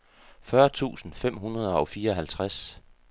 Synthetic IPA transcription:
fɶːɐt͡sʰṵːsn̩fem̰ɦunɐð̞ˠəɒ̽fiːɐɒ̽ɦælt͡sʰʁas

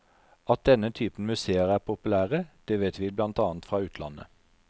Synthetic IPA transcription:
ɑt̪̚d̪ɛnət̪ʰyːpn̩mʉseːəʁæːʁpʰʊpʉlæːʁəd̪̥ɛːʋɛt̪ʋɪblɑnt̪ɑːnt̪fʁɑːʉːt̪ʰlɑ̰nə̰

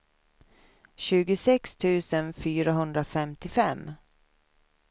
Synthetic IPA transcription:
ɕʉ̟ːɡʊsɛkst̪ʰʉ̟ːsənfyːɾaɦɵnd̪ɾafɛmt̪ɪfɛmː

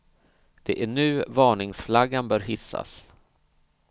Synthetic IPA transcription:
d̪̥ɛʔæɳʉ̟ːvɑːɳɪŋsflaɡːanbœːɾɦɪsːa̰s

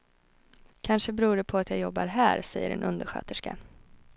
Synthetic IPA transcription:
kʰanʂəbɾuːɖɛpʰɔat̪jajɔbːa̰ɾɦæːɾsɛjːə̰ɖɛ̰nʔɵnd̪əɾɧø̰ːt̪əʂka̰

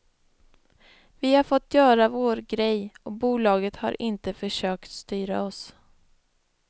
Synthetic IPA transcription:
vɪhaɾfɔt̪ːjœːɾavoːɾɡɾɛjɔbuːlɑːɡət̪ha̰ɾʔɪnt̪əfœʂøːkt̪st̪yːɾa̰ɔs

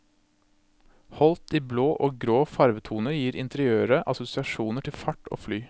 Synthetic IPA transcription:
hɔlt̪iːbloːʔoːɡɾoːfɑɾʋət̪ʰuːnəjiːɾʔɪ̰nt̪əɾɪøːɾəʔɑsʊsɪɑʃuːnəʈʰɪlfɑʈo̰ːflyː

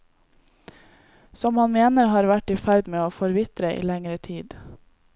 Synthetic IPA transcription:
sɔmhɑnmeːnəɾhɑːɾʋæʈiːfæɾd̪meːoːfɔɾʋɪt̪ɾəʔḭːlɛŋɾət̪ʰiːd̪

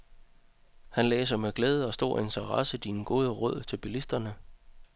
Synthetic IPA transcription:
hænlɛ̰ːs̬ɐmeɡ̥lɛːð̞ˠəɒ̽sd̥o̝̰ːɐe̝nt͡sʰəʁɑ̈səd̥iːnəɡ̥o̝ːð̞ˠəʁɔð̞̰ˠt͡sʰeb̥ilisd̥ɐnə

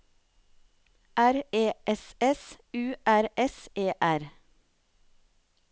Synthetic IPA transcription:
ʔæɾeːʔɛsɛs | ʉːʔæɾɛsʔeːʔæɾ

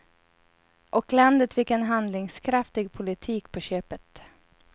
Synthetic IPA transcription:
ʔɔkland̪ət̪fɪkːɛnɦand̪lɪŋskʰɾaft̪ɪɡpʰʊlɪt̪ʰiːkpʰɔɕøːpət̪

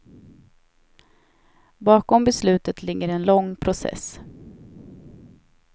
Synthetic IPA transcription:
bɑːkɔmbɛslʉ̟ːt̪ət̪lɪɡːəɾɛnlɔŋːpʰɾʊsɛ̰s

